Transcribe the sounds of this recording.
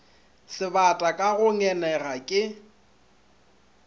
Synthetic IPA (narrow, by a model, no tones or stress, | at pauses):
sɪbatʼakʼaɣʊŋɛnɛɣakʼɪ